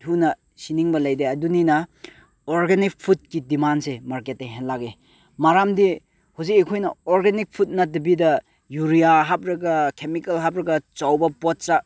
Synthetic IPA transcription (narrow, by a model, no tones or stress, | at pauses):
tʰunɐ | siniŋbɐlɐjdeɐduninɐ | oɾɡenik̚pʰut̚kidimansemaɾket̚ːeɦenlaɡe | maɾamdi | huzikekʰojnɐoɾɡenik̚pʰut̚nɐdɐbidɐ | juɾijaɦap̚ɾɐɡɐkʰemikɐlɦap̚ɾɐɡɐt͡ʃawbɐpɔt̚t͡ʃa